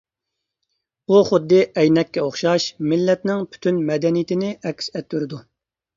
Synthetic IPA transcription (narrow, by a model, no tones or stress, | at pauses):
buχʊd̪ːɨʔɛjnɛkʲːɛoχʃɑʃmɪlːɛt̪nɪŋpʰy̥t̪ʰynmɛd̪ɛnijɪt̪ʰɪnɪʔɛkʲsɛt̪ːyɾɪd̪u